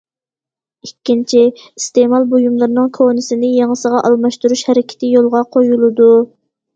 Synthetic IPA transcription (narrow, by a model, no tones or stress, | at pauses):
ikʲːint͡ʃʰiist̪emɑlˠbojumlˠɨɾnɨŋkʰonɪsɪnɪjeŋəsəʁɑʔɑlˠmɑʃt̪uɾuʃhɛɾɪkʲʰɪ̥t̪ʰɪjolˠʁɑqʰojulˠɨd̪u